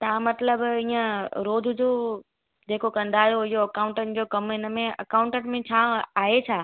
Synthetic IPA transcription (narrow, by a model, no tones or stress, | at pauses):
t̪ãmɐt̪ləbiːə̃ɾoːd̪ʱʊd͡ʑoː | d͡ʑeːkokɐ̃nd̪ʱaːjoɪɦoɐkãːʊ̃ɳʈənɪ̆d͡ʑoːkɐmɦɪnə̆mẽɐ̰kaːʊ̃ɳʈəʈmẽt͡ɕʰaːaːɦet͡ɕʰaː